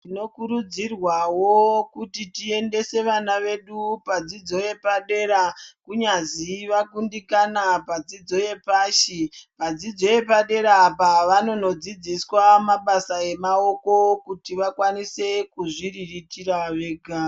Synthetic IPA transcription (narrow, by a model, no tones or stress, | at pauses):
tino̞kuɾud͡zirwawo̞kutitie̞nde̞se̞ʋanaʋe̞ɗupad͡zid͡zo̞je̞paɗe̞ɾakuɲaziʋakundikanapad͡zid͡zo̞je̞paːʃipad͡zid͡zo̞je̞paɗe̞ɾapaʋano̞no̞d͡zid͡ziswamaɓasae̞mao̞ko̞kutiʋakwanise̞kuʐiriritiɾaʋe̞ːɡʱa